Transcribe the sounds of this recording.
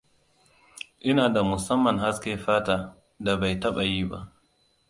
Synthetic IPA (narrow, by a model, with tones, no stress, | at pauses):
ʔɪ˦naː˨da˨mʊ˨sɐ˦mːɐ˨ŋɦa˦skʲeː˨˦ɸaː˦taː˦ | da˨ba˨jtɐ˦ɓa˨jiː˦ba̰˦ʔ